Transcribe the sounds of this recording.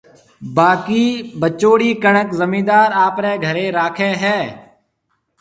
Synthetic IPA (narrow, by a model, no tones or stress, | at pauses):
baːkiːbət͡ʃoːɽiːkəɳəkzəmĩːd̪aːɾaːpɾɛːɡʱəɾeːɾaːkʰeːɦɛː